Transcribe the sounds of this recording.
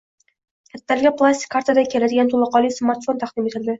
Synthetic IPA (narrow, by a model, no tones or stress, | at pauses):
kʲʰat̪ːalɡʲaplˠasʲt̪ʲi̥kʰːaɾt̪ad̪akʲʰelad̪ɪɡʲant̪ʰolˠɑqɒlˠijsmaɾt̪fo̞nt̪ʰaχd̪ɪmet̪ʰɪld̪ɪ